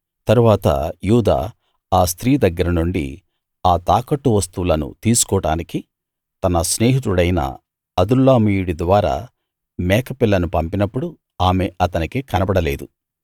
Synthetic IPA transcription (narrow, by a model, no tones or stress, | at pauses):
t̪ɐɾuʋaːt̪ɐ̰juːd̪a̰ː | aːst̪ɾiːd̪ɐɡːɐɾɐnuɳɖḭ | aːt̪aːkɐʈːuʋɐst̪ulɐnṵt̪iːsu̥kɔːɽa̰ːniki | t̪ɐnɐsneːɦit̪uɽɐjnɐ̰ | ɐd̪ulːaːmiːjuɽid̪ʋaːɾa̰ː | mɛːkɐpilːɐnupɐmpinɐpːuɽu | aːme̞ʔɐt̪ɐnikekɐnɐbɐɽɐle̞̰ːd̪u